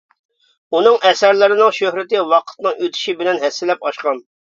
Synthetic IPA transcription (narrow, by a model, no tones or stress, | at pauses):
unɨŋʔɛsɛɾlɪɾɪnɨŋʃøhɾɪt̪ɪwɑqʰə̥t̪nɨŋøt̪ʰɪ̥ʃibɪlɛnɦɛsːɪlɛpɑʃqɑn